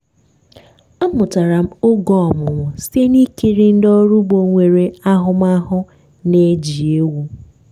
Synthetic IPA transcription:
a˦mʊ˨ta˨ɾa˨m̩˦o˦ɡɔ˦ɔ˨mʊ˨ŋʷʊ˨se˦ni˦ke˦ɾi˦n̩˦dɔ˦ɾu˦bo˨ŋʷe˨ɾe˨a˦ɦʊ˦m˦a˦ɦʊ˦ | ne˦d͡ʒi˨e˦wu˦

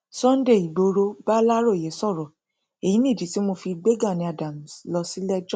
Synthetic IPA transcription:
sɔ̃˦n̩˦de˦˨i˨bo˨˧ɾo˧ba˦la˦ɾo˦˨jɛ˨˦sɔ˦˨ɾɔ˨ | e˨jĩ˨˦nĩ˦˨d͡ʒi˨˦ti˦mo˧fi˧ɡ͡be˦ɡa˦˨nĩ˧a˨dã˨m̩˨slɔ˧si˨˦lɛ˦d͡ʒɔ˦˨

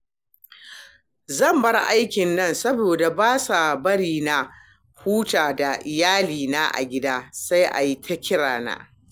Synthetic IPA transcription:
zɐ˦˨mbɐ˦rʔa˦jkʲɪ˨nːɐ˦˨nsɐ˦boː˨da˨baː˦sa˨bɐ˦ɽiː˨na˨ | huː˦taː˨da˨ʔɪ˨jaː˦liː˨naː˦ʔa̰˨ɡʲɪ˦daː˦sa˦jʔa̰˨ji˦tʰɐ˦kʲʰɪ˦ɽaː˨na̰ː˨

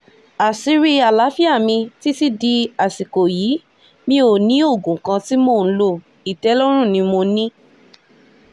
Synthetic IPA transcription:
a˨si˦ɾi˧a˨la˨˦fi˦a˦˨mĩ˧ti˦ti˦di˧a˨si˨ko˨ji˨˦ | mĩ˧o˨nĩ˨˦o˦˨ɡũ˨kã˧ti˦moː˦˨n̩˦lo˦˧˨ | i˨tɛ˨˦lɔ˦ɾ̃ũ˦˨nĩ˧mo˧nĩ˦

